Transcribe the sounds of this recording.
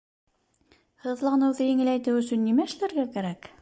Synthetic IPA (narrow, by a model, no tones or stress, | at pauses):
hɤ̆ðlˠɑnɤwðɘjɘ̆ŋɘ̆læjt̪ɘwɵ̆sɵnːimæɘ̆ʃlæɾɡækæɾæk